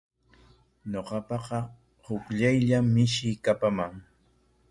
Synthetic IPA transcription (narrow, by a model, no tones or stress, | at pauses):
ɲoqɑpɑqɑ | hʊkʎajʎamːɪʃɪkapamaŋ